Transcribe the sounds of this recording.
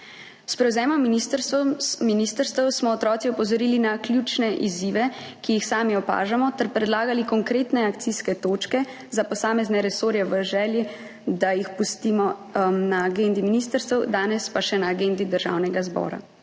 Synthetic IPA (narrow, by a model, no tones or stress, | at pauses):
spɾɛwzɛːmɔmːinist̪əɾst̪minist̪əɾst̪əwsmɔːt̪ɾɔːt̪siɔpɔzɔɾiːlinaklʲjuːt͡ʃnɛʔiziʋɛkijixsaːmiɔpa̰ːʒamɔt̪ɛɾpɾɛd̪laːɡalikɔŋkɾeːt̪nɛak̚t̪siskɛt̪oːt͡ʃkɛ | zapɔsaːmɛznɛɾɛsoːɾjɛʋəʒɛːlji | d̪ajixpust̪imɔnaːɡend̪iminiːst̪əɾst̪ɛwd̪aːnɛspaʃɛnaːɡend̪id̪əɾʒa̰wnɛɡazbɔ̰ːɾa̰